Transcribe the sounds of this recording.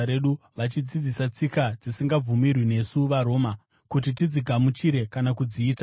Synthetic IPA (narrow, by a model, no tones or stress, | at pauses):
ɾe̞ɗu | ʋat͡ʃid͡zid͡zisat͡sikad͡zisiŋɡab͡vumirwine̞suʋaɾo̞ːma | kut̬itid͡ziɡʱamut͡ʃiɾe̞kanakud͡ziːta